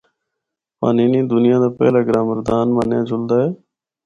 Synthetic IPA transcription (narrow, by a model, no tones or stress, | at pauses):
pa̰ːniːnĩːd̪ʊnɪjãːd̪aːpɛ̰ːlaːɡɾãːməɾd̪aːnmənjãːd͡ʒʊld̪aːɦɛː